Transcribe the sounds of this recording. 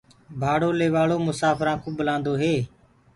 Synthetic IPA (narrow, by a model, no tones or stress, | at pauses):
bʱaːɽoːleːʋaːɭoːmʊsaːfʰɾãːkũːɓəlãːnd̪oːɦeː